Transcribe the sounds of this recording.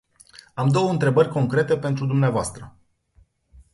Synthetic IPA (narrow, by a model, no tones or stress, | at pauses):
amd̪o̞wəɨnt̪ɾe̞bərʲko̞ŋkɾe̞t̪e̞pe̞nt̪ɾud̪umneavoast̪ɾə